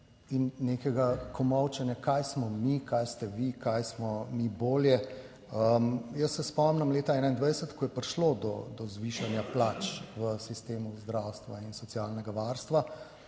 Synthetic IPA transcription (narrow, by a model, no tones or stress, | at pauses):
inːeːkɛɡakɔmɔwt͡ʃɛnjakajsmɔmikajst̪ɛʋikajsmɔmiboːljɛ | əmjəsːɛspɔmnɛmleːt̪aɛːnaind̪ʋajɛsət̪kɔjɛpɾiʃlod̪ɔ̰d̪ɔzʋiʃanjaplat͡ʃʋəsist̪eːmuzd̪ɾawst̪ʋainsɔt̪sjalnɛɡaʋaɾst̪ʋa